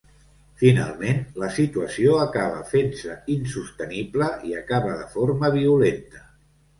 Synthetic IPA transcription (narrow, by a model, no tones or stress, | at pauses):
fina̰lˠmenləsit̪uəsioəkaβ̞ə̰fensəinsust̪ənibləiəkaβəðəfoɾməβ̞iulent̪ə̥